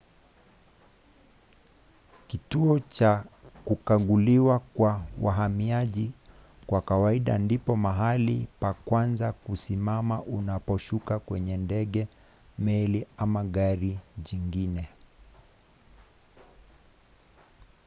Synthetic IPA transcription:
kituɔt͡ʃakukaɠuliwakwawa̰ɦamiaʄi | kwakawaiɗa̰ndipɔmaɦalipakwanzakusimamaʔunapɔʃukakwɛɲɛndɛɠɛ | mɛliamaɠaɾiʄiŋɡinɛ

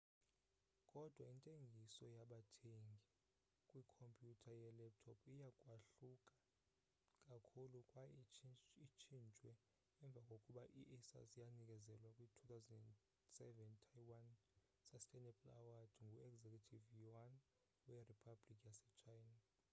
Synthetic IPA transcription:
kʼɔd̥ʱwaintʼeŋɡʱisɔjaɓatʰeŋɡʱi | kʼwikʰompʼjutʰajɛlɛp̚tʰɔpʰijakʼwaɬukʼḁ | kʼakʰulukʼwa | it͡ʃʰint͡ʃʼwɛ | ɛɱb̪vʱakʼokʼuɓaʔiʔɛsa̰zijanik̬ʼɛzɛlwakʼwitʰut̪ʰawzɛnɛn | sɛvɛntʰajwan | sasɬʼɛnɛpʼlawad̥ŋɡʱuɛɡzekʰʼutʰivjan | wɛripʰablikʼjasɛt͡ʃʰajna

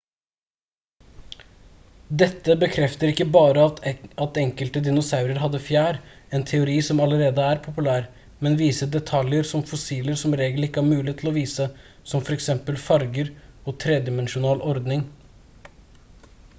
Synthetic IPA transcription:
d̪ɛt̪ːəbəkʰɾɛft̪əɾɪkːəbɑːɾəɑt̪ɛŋkəlt̪əd̪ɪnʊsɑʉɾəɾɦɑd̪ːəfjæːɾ | ɛːnt̪ʰɛʊɾiːsɔmɑləɾeːd̪əæːɾpʰʊpʉlæːɾ | mɛnʋiːsəd̪ɛt̪ʰɑljəɾsɔmfʊsiːləɾsɔmɾeːɡəl̩ɪkːəhæːɾmʉːlɪət̪ʰl̩ɔʋiːsə | sɔmfɔɾɛksɛmpəlfɑɾɡəɾoːt̪ʰɾeːd̪ɪmɛnʃʊnɑːlʔɔɾd̪nɪŋ

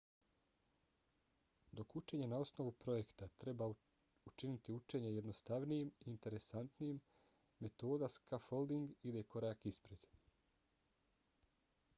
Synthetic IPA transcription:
d̪o̞kut͡ʃe̞ːɲenao̞sno̞ʋupɾo̞je̞kt̪at̪ɾe̞ba | ut͡ʃinit̪iut͡ʃe̞ːɲeje̞d̪nost̪aʋnijimiːnt̪e̞ɾesant̪niːmː | e̞t̪o̞ːd̪askafo̞ld̪iŋɡid̪eko̞ɾaːkispɾed̪̥

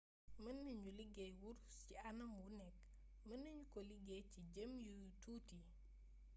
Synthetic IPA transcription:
mənːəɲuliɡɛjwuɾ | ciɐnɐmwunɛk | mɐnːɐɲukɔliɡeciɟəmjutuːti

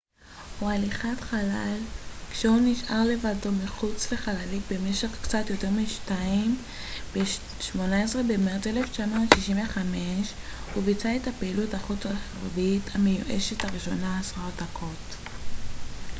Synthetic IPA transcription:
hualiχatχalalkʃeuniʃʔaʁle̞vadomiχut͡sveχalalikbe̞me̞ʃe̞χkt͡satjo̞te̞ʁmiʃtaim | be | ʃmo̞naesʁebemeteleft͡ʃamoʃiʃimveχameʃ | huvit͡saethapeiluthaχut͡saχʁevithamejuʔḛʃethaʁiʃo̞naːsʁaotakʰo̞t

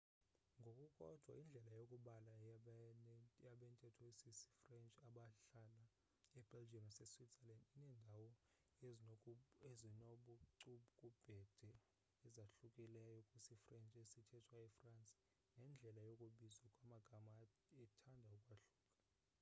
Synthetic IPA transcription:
ŋɡʱokʼukʼɔ̰d̥ʱwa̰ind͡ɮʱɛlajokʼuɓala | jaɓɛntʼɛtʰɔesisi̥frɛnt͡ʃʼaɓaɬala | ɛb̥ʱɛld͡ʒʱiɛmɔsɛswitsɛlandinɛndʱawɔ | ezezinoɓuǀuɓukʼub̥ʱɛd̥ʱɛ | ɛzaɬukʼɛlɛjjokʼusifrɛnt͡ʃʼesitʰɛtʰwaɛfrant͡sʼ | nɛnd͡ɮʱɛlajokʼuɓizwakʼwamaɡ̥ʱama | ɛtʰandʱaukʼwaɬuːkʼḁ

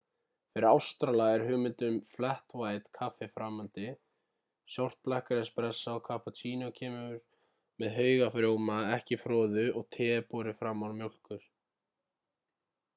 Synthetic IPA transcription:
fɪɾɪɾawst̪ɾalaɣɛɾ̥ɦʏːɣmɪnt̪ʏmflɛht̪vaːjt̪kʰafɪfɾamːant̪ɪ | sjɔwr̥t̪̚plɛhkaɾɛspɾɛsːaɔkʰapɔt͡ʃʰiːnacʰɛːmʏʏɾ̥ | mɛðɦœːɥɣafɾjoːwmaɛhcɪfɾɔːðʏɔɣt̪ʰɛːpɔɾɪfɾamːaɾmjowl̥kʏɾ̥

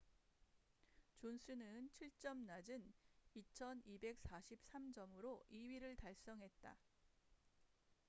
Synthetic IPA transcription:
t͡ɕonsʰɯnɯnt͡ɕʰiɭt͡ɕ͈ʌmnad͡ʑɯnit͡ɕʰʌnibe̞k̚s͈aɕʰip̚s͈amd͡ʑʌmɯɾoʔiɥiɾɯɭtaɭs͈ʌŋɦe̞t̚t͈a̰

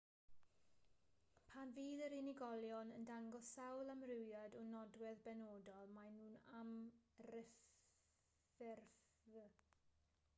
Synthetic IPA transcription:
pʰanviːðəɾɪnɪɡɔlˠjɔnəndaŋɡɔsawlˠamrɪwjadɔnɔdwɛðbɛnoːdɔlˠmajnuːnamrɪ | ɛrf

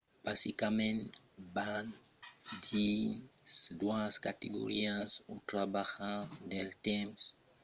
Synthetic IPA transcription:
b̥asikamẽn | ban | d̪isd̪waskat̪eɡo̰ɾiazut̪ɾabaxad̪elt̪ems

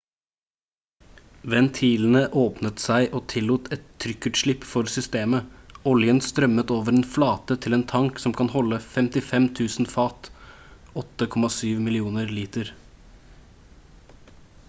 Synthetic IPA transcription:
ʋɛnt̪ʰiːln̩əʔoːpnət̪sæɪʔoːt̪ʰɪlːuːt̪ʰɛt̪ʰːɾʏkːʉʈ̪ʂɭɪpːfɔɾsʏst̪eːməɔljənst̪ɾœmət̪oːʋəɾeːnflɑːt̪ət̪ʰɪleːnt̪ʰɑŋksɔmkʰɑnhɔlːəfɛmt̪ɪfɛmt̪ʰʉːsn̩fɑːt̪ | ɔt̪ːəkʰɔmɑsyːʋmɪlɪuːnəɾliːt̪əɾ

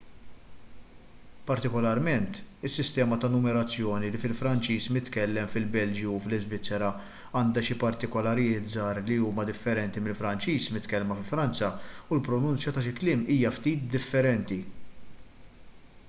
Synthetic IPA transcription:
pɐɾt̪ɪkɔlɐɾmɛnt̪ɪsːɪst̪ɛːmɐt̪ɐnʊmɛɾɐt͡sːjɔːnilifɪlfɾɐnt͡ʃiːsmɪt̪kɛlːɛmfɪlbɛld͡ʒjuflɪzvɪt͡sːɛɾɐ | ɐːnd̪ɐʃɪpɐɾt̪ɪkɔlɐɾɪjɪːt̪d͡zɐːɾliuːmɐd̪ɪfːɛɾɛnt̪imɪlfɾɐnt͡ʃiːsmɪt̪kɛlmɐfɪlfɾɐnt͡sɐulpɾɔnʊnt͡sjɐt̪ɐʃɪklɪːmiːjɐft̪iːt̪̚d̪ɪfːɛɾɛnt̪i

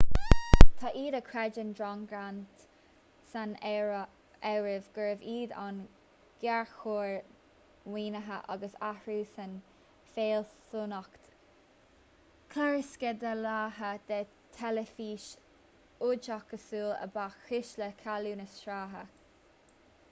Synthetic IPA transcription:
t̪ʰaʔiːd̪əkʰɹɛd͡ʒəndɹɔŋɡɹant̪ | san | ɛɹɪvɡəɹɪviːd̪a̰n | ɡ̥ɛɹxoːɹ | wiːnəɦəʔa̰ɡəsaɹuːsən | feːlsunɔkt̪ | kʰlaɹɪskəd̪əlaːɦəd̪̥ɛː | t̪ʰɛləfiːʃ | ʊt͡ʃɔkəsuːlə̰baːxɪʃləkʰaluːnəsʃɾaːɦə

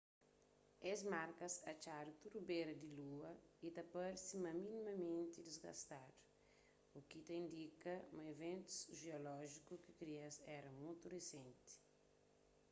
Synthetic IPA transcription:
ezmaɾkɐsɐt͡ʃaɾut̪uɾubeɾɐd̪iluɐit̪ɐpoɾsimɐminimɐmẽnt̪id̪izɡɐ̰st̪aɾ | ukit̪ɐĩnd̪ikɐmɐevẽnt̪u̥sʒeolɔʒikukikɾiɐsɛɾɐmujt̪uresẽnt̪i̥

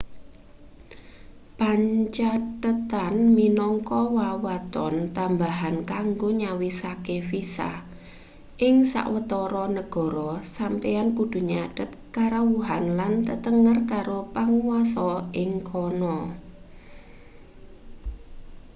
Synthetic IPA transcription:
paɲt͡ʃadtət̪anminɔŋkɔwawat̪ɔnt̪ambaɦankaŋɡoɲawisakefisa̰h | ʔɪŋsa̰ʔwət̪ɔɾɔnəɡ̥ɔ̤ɾɔsampejankud̪̥ṳɲaɖ̥ə̤t̪̚kaɾawuɦanlant̪ət̪əŋərkaɾopaŋuwasɔʔɪŋkʰɔnɔ

